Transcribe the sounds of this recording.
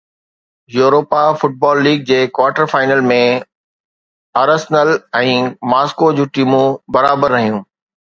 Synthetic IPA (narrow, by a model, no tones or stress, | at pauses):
juːɾoːpafʊʈ̚bɔːlːiːɡ̚d͡ʑeːkwaːɾʈəɾfaːɪnəlmẽ | ɐːɾəsnəlɛ̃ːmaːskod͡ʑũːʈiːmũbɐɾaːbəɾːɐɦijũː